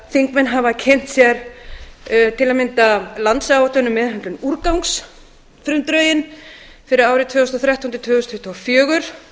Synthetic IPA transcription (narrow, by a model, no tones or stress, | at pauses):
θiŋkmɛnɦavacʰɛn̥t̪sjɛɾ | t̪ʰɪlamɪnt̪alant̪saat̪ʏnʏmːɛðhɦɛnt̪lʏnuɾkawŋks | fɾʏmt̪ɾœːɥjɪn | fɪɾɪðaːwɾɪt̪ʰvʏːɣʏst̪ɔθɾaht̪awnt̪ɪ̥t̪ʰvœːɣʏst̪ʰhʏht̪ʰoafjœːɣʏɾ̥